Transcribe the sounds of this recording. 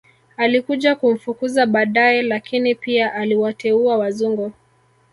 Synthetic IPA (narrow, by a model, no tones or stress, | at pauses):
alikuʄakum̩fukuzaɓaːɗaɛlakinipiaʔaliwatʰɛuawazuŋɡɔ